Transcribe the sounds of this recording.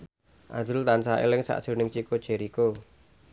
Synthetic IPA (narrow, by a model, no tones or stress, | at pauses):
ʔa̰d̪ʊlt̪ansaḛlɪŋsa̰ʔd̥ʒ̥o̤nɪŋt͡ʃikod̥ʒ̥e̤ɾiko